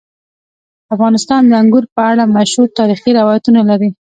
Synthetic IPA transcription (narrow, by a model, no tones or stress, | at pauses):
afɣɑnɪst̪ɑnd̪əaŋɡuɾpəaɽamaʃhuɾt̪ɑɾixiɾawɑjat̪unalaɾi